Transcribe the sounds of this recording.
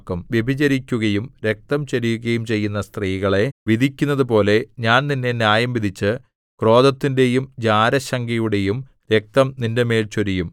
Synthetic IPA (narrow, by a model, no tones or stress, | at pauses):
kːɐmʋjebʱid͡ʑɐɾikʲːuɣɐjumɾe̞k̚t̪ɐmt͡ɕɐɾijuɣɐjumt͡ɕe̞jːun̪ːɐst̪riːɣɐɭe̞ʋid̪ʱikʲːunːɐðɨpo̞ːle̞ɲaːnninːe̞njaːjɐmbid̪ʱit͡ɕːɨ | kro̞ːd̪ɐt̪ːinde̞jumd͡ʑaːɾɐɕɐŋɡɐjuɽe̞jum | ɾe̞k̚t̪ɐmninde̞me̞ːɭt͡ɕoɾijum